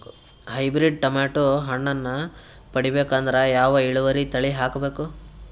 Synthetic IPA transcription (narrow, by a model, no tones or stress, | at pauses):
ɦɐjbɾiɖ̚ʈɐmaːʈoɦɐɳːɐnːɐ | pɐɽibe̞ːkand̪ɐɾejaːʋɐiɭuʋɐɾit̪ɐɭiɦaːkbeːku